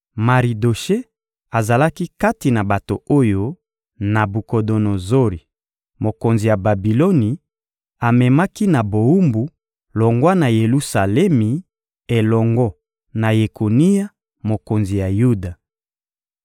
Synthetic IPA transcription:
ma˨ʁi˨do˨ʃe˦ | a˨za˨la˦ki˦ka˦ti˨na˨ba˨to̰˨o˦jo˦ | na˨bu˨ko˨do˨no˨zo˦ʁi˨ | mo˨ko˨nzi˨ja˨ba˨bi˨lo˦ni˨ | a˨mɛ˨ma˦ki˦na˨bo˨u˦mbu˨ | lɔ˨ŋɡwa˦na˨je˨lu˦sa˨lɛ˦mi˨ | e˨lɔ˨ŋɡɔ˦ | na˨je˨ko˨ni˦ja˦ | mo˨ko˨nzi˨ja˨ju˦da˨

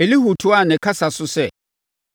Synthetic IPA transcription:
e˨li˦hu˨tʰʊ˦a˦˨nɪ̃˨kʰa˦sa˨sʊ˦sɛ˨

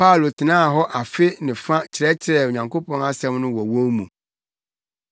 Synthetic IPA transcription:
pa˦˨lo˨tʰɪ˨nãː˦˨ɦɔ˦ʔa˨fɪ˦nɪ̃˨fã˦t͡ɕʰɪ˨ɾɛ˦t͡ɕʰɪ˨ɾɛ˨o˨ɲã˨ŋkʰo˦pʰɔ̃˦na˦sɛ̃˦mnʊ̃˦wɔ˨wo˦mũ˨

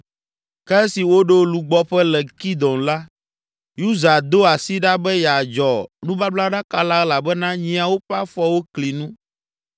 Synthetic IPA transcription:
kɛ˦ɛ˦si˨wo˦ɖo˦lu˨ɡ͡bɔ˦ɸɛ˦lɛ˨ki˦d̪ɔ̃˨nla˦ | ju˦za˨d̪o˦a˨si˦ɖa˦bɛ˦ja˨d͡ʒɔ˨nũ˦ba˦bla˦ɖa˦ka˦la˦la˨bɛ˦nã˦ɲĩ˦a˨wo˦ɸɛ˦a˦fɔ˦wo˦kli˨nũ˦

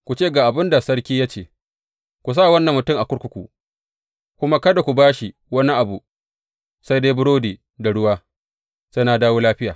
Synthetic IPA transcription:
kʷu˨t͡ʃeː˦˨ɡaː˨ʔa˨bɪ˦nda˨sɐ˦ɽkʲiː˦jaː˦t͡ʃeː˨ | kʷu˨s̬aː˦˨wɐ˦nːɐ˨mːʊ˨tʊ˦˨ŋʔa˨kʷʊ˦ɽkʷʊ˦kʷṵ˨ | kʷʊ˦ma˦kɐ˦da˨kʷu˨baː˦ʃi˨ | wɐ˦ni˦ʔa˨bu˨ | sa˦jde˦bʊ˦ɽoː˦diː˨ | da˨ɽʊ˦waː˦ | sa˦jnaː˨daː˦woː˦laː˦ɸɪ˦jaː˨

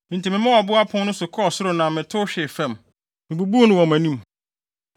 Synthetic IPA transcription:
mɪ̃˨n˨tʰi˨mɪ̃˨mã˦wa˨bʊ˦a˦pʰʊ̃˦nʊ̃˦sʊ˨kʰɔ˦˨sʊ˦ɾʊ˨nã˨mɪ̃˨tʰʊ˦ɕᶣɪ˨fɛ̃˦˨m | mɪ̃˨bu˨bu˦nʊ̃˦wɔ̃˨mæ̃˨nĩ˦m

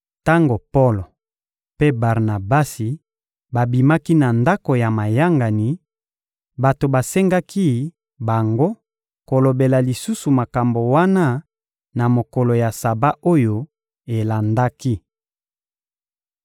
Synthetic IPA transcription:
ta˦ŋɡo˨po˦lo˨ | pe˦ba˨ʁna˨ba˦si˨ | ba˨bi˨ma˦ki˦na˨nda˦ko˨ja˨ma˨ja˦ŋɡa˨ni˨ | ba˨to˨ba˨se˦ŋɡa˦ki˦ | ba˨ŋɡo˦ | ko˨lo˨be˨la˨li˨su˦su˨ma˨ka˨mbo˨wa˦na˦ | na˨mo˨kɔ˨lo˨ja˨sa˨ba˦ʔo˦jo˦ | e˨la˨nda˦ki˦

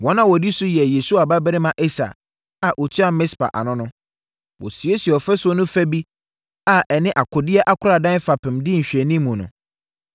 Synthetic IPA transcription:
wɔ̃˦nã˦wɔ˨di˦sʊ˦jɛ˨je˨su˦a˨ba˦bɪ˦ɾɪ˦mã˨ʔɛ˦sa̰˨ | a˨ʔo˨tʰi˦a˦˨mɪ̃˦spa̰˨ʔa̰˨nʊ̃˦nʊ̃˦ | wɔ̰˨si˨e˦si˨ɔ˨fɛ˦sʊ˦ɔ˦nʊ̃˦fɛ˦bi˦ | a˨ʔɛ˨nɪ̃˦ʔa˨kʰʊ˨dɪ˦ɛ˦ʔa˦kʰʊ˦ɾa˨dã˦n˦fa˨pʰɪ̃˨mdɪ˦ɲ̩˨ɕᶣi˨ɛ˨nĩ˦mũ˨nʊ̃˨

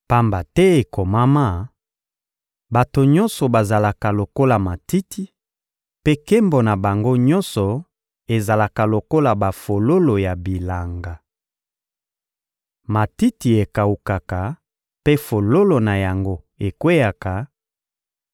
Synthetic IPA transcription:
pa˦mba˨tɛ˦e˨ko˨ma˦ma˦ | ba˨to˨ɲɔ̃˦nsɔ˨ba˨za˨la˨ka˨lo˨ko˦la˨ma˨ti˦ti˦ | pe˦ke˦mbo˨na˨ba˨ŋɡo˦ɲɔ̃˦nsɔ˨ | e˨za˨la˨ka˨lo˨ko˦la˨ba˨fo˨lo˦lo˨ja˨bi˨la˨ŋɡa˨ | ma˨ti˦ti˨e˨ka˨u˨ka˨ka˨ | pe˦fo˨lo˦lo˨na˨ja˨ŋɡo˦ | e˨kwe˦ja˨ka˨

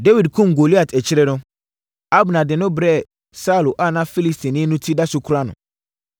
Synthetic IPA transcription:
de˦wi˨dkʰʊ̃˦m˨ɡo˨li˦a˨tʰɛ˨t͡ɕʰɪ˦ɾɛ˦nʊ̃˦ | a˦bnã˨dɪ˨nʊ̃˦bɾɛ˦˨ | sa˦˨lo˨ʔa˦˨nã˦fi˦li˦stʰĩ˨nɪ̃˦nũ˦tʰi˦da˦sʊ˦kʰu˦ɾa˦nʊ̰̃˨

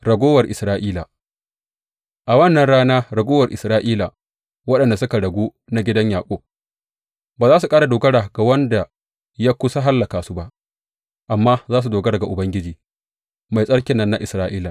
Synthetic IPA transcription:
ɾɐ˨ɡʷoː˦wɐ˨rʔɪ˨sɾaː˦ʔiː˦la˨ | ʔa˨wɐ˦˨nːɐ˨nɽaː˦naː˦ɾɐ˨ɡʷoː˦wɐ˨rʔɪ˨sɾaː˦ʔiː˦la˨ | wɐ˦ɗɐ˨nda˨sʊ˦ka˨ɽɐ˨ɡʷuː˦ | na˦ɡʲɪ˦dɐ˦ɲjaː˨kʷʼoː˦ | baː˨zaː˦su˨kʼaː˦ɽa˨doː˨ɡɐ˦ɽa˨ɡa˨wɐ˦nda˨ | jaː˦kʷʊ˦sa˦ɦa˦lːɐ˨kaː˨su˦ba˦ʔ | ʔa˨mːaː˦zaː˦s̬u˨doː˨ɡɐ˦ɽa˨ɡa˨ʔʊ˨bɐ˦ŋɡʲɪ˦d͡ʒiː˨ | ma˨jsʼɐ˦ɽkʲɪ˨nːɐ˦nːa˦ʔɪ˨sɾaː˦ʔiː˦la˨

